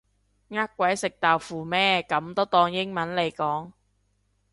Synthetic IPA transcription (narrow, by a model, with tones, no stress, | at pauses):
ŋaː˥k̚ːʷɐ˨˥jsɪ˨k̚t̪aː˨wfuː˨mɛː˥kɐ˨˥mt̪o˥wt̪ɔː˧ŋjɪ˥ŋmɐ˨˥nle˨˧jkɔː˨˥ŋ